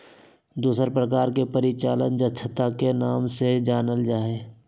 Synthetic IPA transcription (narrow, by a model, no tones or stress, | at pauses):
d̪uːsəɾpɾəkaːɾkepəɾɪt͡ʃaːlənd͡ʒətːʃʰət̪akenaːmsed͡ʒaːnəld͡ʒaːeː